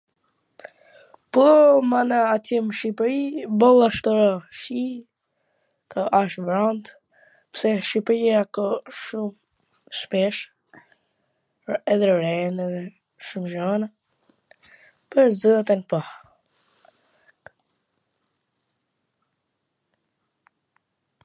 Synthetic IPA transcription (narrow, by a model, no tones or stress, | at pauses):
pɔmanaːt̪jɛməʃipɾibɔlˠaʃt̪ɔɾɔʃi | kʰɔʔaʃbɾand̪ | psɛʃipɾiakɔʃum | ʃpɛʃ | ɛðɛɾɛnɛðɛ | ʃumʒana | pəɾzəat̪ɛnpa